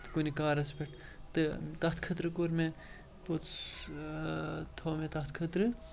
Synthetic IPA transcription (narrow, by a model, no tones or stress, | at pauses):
t̪ɨkonikaːɾɐspʲeʈʰ | t̪ɨt̪ɐɦt̪ʰkʰɐt̪ɾɨkoɾme | po | t̪ʰoːmet̪ɐt̪ʰkʰɐt̪ɾɨ